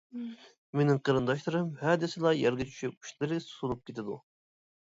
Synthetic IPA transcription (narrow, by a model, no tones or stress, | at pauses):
menɪŋqʰəɾɨnd̪ɑʃ̬lˠɨɾɨmhɑːd̪ɪsɨlˠɑjɑɾɡɨt͡ʃʰy̥ʃyp̚y̥ʃlɪɾɨsu̥t̪ulˠup̚kʲet̪ɪd̪ṵ